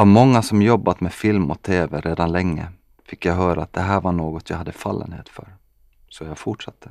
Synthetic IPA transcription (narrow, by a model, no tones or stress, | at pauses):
amɔŋːasɔmjɔbːat̪mɛfɪlmɔt̪ʰeːvɛɾeːd̪anlɛŋːə̰ | fɪkːjajɦœːɾaːt̪̚d̪ɛɦæːɾvaɳoːɡɔt̪jajhad̪ːəfa̰lːə̰nhḛːt̪fœ̰ɾ | sɔjaɡfʊʈʂat̪ʰːə̥